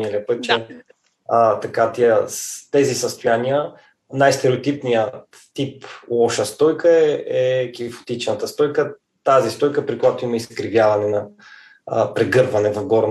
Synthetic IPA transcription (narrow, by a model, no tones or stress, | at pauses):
ɛliəpɤət̪̚t͡ʃɛ | t̪ɐkat̪iəst̪ɛzisɐst̪ʊjaniə | najst̪ɛɾɛot̪ipnijət̪ːiplˠɔʃəst̪ɔjkəɛɛkʲifo̥t̪it͡ʃnət̪əst̪ɔjkə | t̪azist̪ɔjkəpɾikojat̪ʊiməiskɾivjavɐnɛnɐ̰ | pɾɛɡɤɾvɐnɛvɐvɡɔɾn